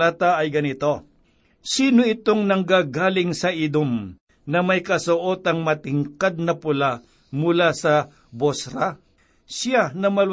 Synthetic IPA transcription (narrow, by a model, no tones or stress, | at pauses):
aːt̪ɐɐjɡɐnɪt̪o̞ | siːnoɪt̪o̞ŋnɐŋɡaːɡaːlɪŋsɐʔid̪om | nɐmɐjkɐsʊʔoːt̪ɐŋmɐt̪ɪŋkad̪̚nɐpʊla | mʊlasɐ | bosɾa | sanɐmɐl